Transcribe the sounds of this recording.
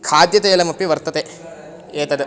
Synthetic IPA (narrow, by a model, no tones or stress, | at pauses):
kʰaːd̪jɐt̪ɐjɐlɐmɐpːiʋɐɾt̪ɐt̪e | eːt̪ɐd̪e